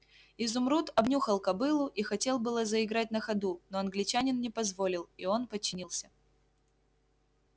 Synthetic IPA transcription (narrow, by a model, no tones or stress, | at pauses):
ɪzʊmɾut̪ɐbnʲuxəlˠkɐbɨlˠʊʔixɐtʲe̞lˠbɨlˠəzəɪɡɾat̚ʲnəxɐd̪uno̞ɐnɡlʲɪt͡ɕænʲɪnnʲɪpɐzvo̞lʲɪlˠio̞npət͡ɕːɪnʲilˠsʲə